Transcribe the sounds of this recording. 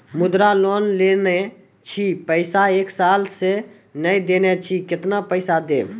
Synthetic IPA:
mʊd̪ɾalɔːnlene | t͡ʃʰipəɪsaeːksaːlse | nəid̪eːnet͡ʃʰikɪt̪napəɪsad̪eː

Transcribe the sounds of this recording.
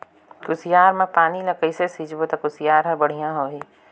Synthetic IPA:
kʊsijaːɾmãpaːnilɐkəisesiːd͡ʒbot̪ɐkʊsɪjaːɾɦə̃bɐɽ̤ijãɦoːɦiː

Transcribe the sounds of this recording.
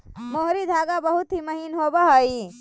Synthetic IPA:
moɦɾid̪ʱaɡabəɦut̪ɦiməɦinɦobəɦəj

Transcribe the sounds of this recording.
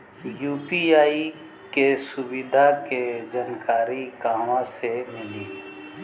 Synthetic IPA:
juːpiaːi | kesʊbɪd̪ʱaked͡ʒankaːɾikaːmãsemɪliː

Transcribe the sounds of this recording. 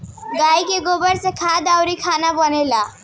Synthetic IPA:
ɡajkeɡobəɾsẽkʰad̪awɾikʰanabənela

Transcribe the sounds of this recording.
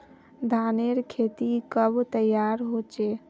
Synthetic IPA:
d̪ʱaneɾkʰet̪ikəbt̪əjaɾɦot͡ʃe

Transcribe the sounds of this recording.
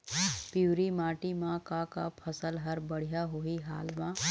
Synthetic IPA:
piːɾimaːʈimãkaka̰pʰəsəlɦəɾbəɽ̤ijaɦoiɦaːlmã

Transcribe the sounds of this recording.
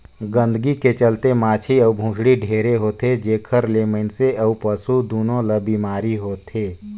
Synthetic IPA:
ɡə̃nd̪ʱəɡiket͡ʃəlt̪emaːt͡ʃʰiɐubʱũːʃɽiɖʱeːɾeɦoːt̪ed͡ʒeːkʰəɾleːməɪnseəupəsud̪oːnõləbiːmaːɾiɦoːt̪eː

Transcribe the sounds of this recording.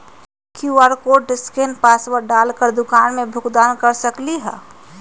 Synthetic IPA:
kiaɾkoɖɪskenpaːsʋəɾɖaːlkəɾd̪ʊkaːnmẽbʱʊkd̪aːnkəɾsəkliɦɛː

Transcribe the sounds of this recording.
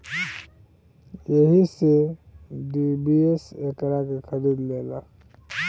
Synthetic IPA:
jəɦise | ɖibiesekəɾakekʰəɾid̪leːla

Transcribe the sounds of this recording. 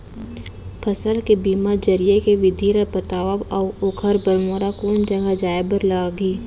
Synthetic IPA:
pʰəsəlkebiːmad͡ʒəɾijekeʋɪd̪ʱiːɾəpət̪aːʋəbɔːʊkʰəɾbəlmoːɾakoːnd͡ʒəɡad͡ʒaːebəɾlaːɡiː

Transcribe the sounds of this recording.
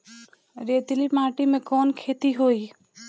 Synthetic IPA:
ɾeːt̪ɪlimaːʈimẽkɔːnkʰeːt̪iɦoːiː

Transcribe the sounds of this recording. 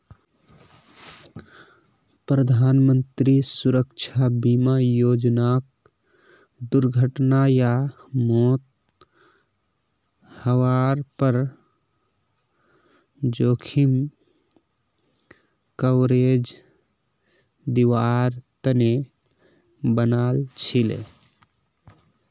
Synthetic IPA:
pɾəd̪ʱanmənt̪ɾisuɾəkt͡ʃʰabimajoːd͡ʒnak̚ | d̪uɾɡʱəʈnajamot̪̚ | həʋaɾpəɾ | d͡ʒokʰim | kəʊɾed͡ʒ | d̪iʋaɾt̪əne | bənalt͡ʃʰilḛ

